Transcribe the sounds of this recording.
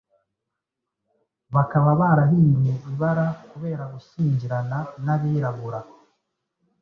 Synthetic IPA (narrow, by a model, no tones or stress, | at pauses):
βakaβaβaːɾaɦiːnjeʔiβaɾakuβe̞ːɾaɡusiːɲɟiɾananaβiːɾaβuɾa